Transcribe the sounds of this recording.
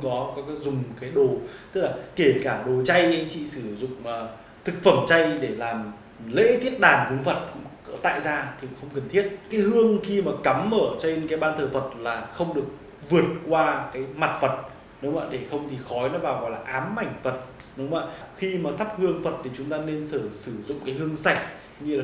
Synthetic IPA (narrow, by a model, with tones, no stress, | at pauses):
kɔ˨˦kɔ˨˦kːzʊ˨˩ŋ͡mkaː˨˦jɗo˨˩t̪ɨ˦˥laː˨˩ke˧˩kaː˧˩ɗo˨˩t͡ɕa˧ja̰˧˥ŋt͡ɕḭ˧˨sɨ˧˩zʊ̰˧˨ŋ͡mː | t̪ʰɨ˨˩k̚fə˧˩mt͡ɕa˧jɗe˧˩laː˨˩m | lḛ˧˥t̪ʰi˦˥ət̚ɗaː˨˩nkʊ˨˦ŋ͡mfə˨˩t̚ŋ͡mt̪a̰ː˧˨jzaː˧t̪ʰi˨˩xə˧wŋ͡mkə˨˩nt̪ʰi˦˥ət̚kaː˨˦jhɨ˧əŋxi˧maː˨˩ka˨˦mʔəː˧˩t͡ɕe˧nkaː˨˦jɓaː˧nt̪ʰəː˨˩fə˨˩t̚laː˨˩xə˧wŋ͡mɗɨ˨˩ək̚ | vɨ˨˩ət̚kwaː˧kaː˨˦jma˨˩t̚fə˨˩t̚ | ɗʊ˨˦ŋ͡ma̰ː˧˩ɗe˧˩xə˧wŋ͡mt̪ʰi˨˩xɔ˨˦jnɔ˨˦ɓaː˨˩ɣɔ̰˧˨jlaː˨˩ʔaː˨˦mːa˧˩jŋ̟fə˨˩t̚ | ɗʊ˨˦ŋ͡ma̰ː˧˨xi˧maː˨˩t̪ʰə˦˥p̚hɨ˧əŋfə˨˩t̚t̪ʰi˨˩t͡ɕʊ˨˦ŋ͡mt̪aː˧ne˧nsəː˧˩sɨ˧˩zʊ̰˧˨ŋ͡mkaː˨˦jhɨ˧əŋsa˨˩jk̟̚ | ɲɨ˧laː˨